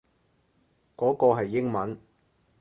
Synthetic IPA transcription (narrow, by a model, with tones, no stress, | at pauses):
kɔː˨˥kɔː˧ɦɐ˨jːɪ˥ŋmɐ˨˥n